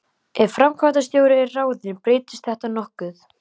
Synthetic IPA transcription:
ɛ̥fɾamkʰvat̪ast̪joːwɾɪɛraːwðɪpɾeːt̪ɪ̥st̪θɛht̪anɔhkʏθ

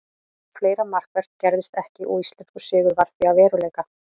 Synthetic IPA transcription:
fleːjɾamar̥kvɛɾ̥t̪̚cɛɾðɪst̪ɛhcɪʔɔist̪lɛnskʏ̥sɪːɣʏɾvaɾ̥θviavɛːɾʏleːjka

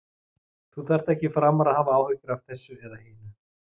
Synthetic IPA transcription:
θuθar̥t̪ɛhcɪfɾamːaɾaðhaːvaaːwhœɥcʏɾavθɛsːʏɛðaheːnʏ

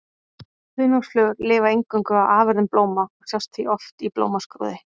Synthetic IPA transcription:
hʏːnʏsflœːɣɾlɪːvaejŋkœŋkʏaðaːvɪɾðʏmploːwmaɔɣsjawst̪θiʔɔft̪iplo̰ːwmaskɾo̰ːðɪ

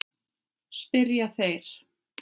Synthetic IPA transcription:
spɪɾjaθejɾ̥

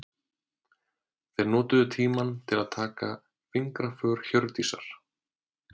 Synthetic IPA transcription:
θejɾnɔːt̪ʏðʏt̪ʰiːmant̪ʰɪlaðt̪ʰaːka | fɪŋkɾafœɾ̥çœɾt̪isa̰ɾ̥

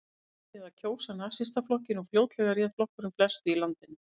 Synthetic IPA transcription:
ɛðacʰoːwsanasɪst̪aflɔhcɪnɔɣfljoːwt̪lɛɣarjɛːðflɔhkʏɾʏmflɛst̪ʏilant̪ɪn

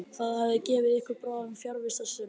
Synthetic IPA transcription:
θaðhavðɪcɛːvɪðɪhkvɪɾpɾɔːvʏmfjaɾvɪst̪asɪ

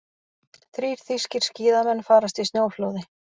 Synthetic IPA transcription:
θɾiːɾ̥θiscɪɾ̥sciːðamɛnːfaːɾast̪vist̪njoːwfloːwðɪ

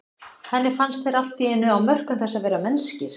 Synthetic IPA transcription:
hɛnːɪfanst̪θeɾal̥t̪iɛnːʏawmœr̥kʏmθɛsːaðvɛːɾamɛnscɪɾ̥

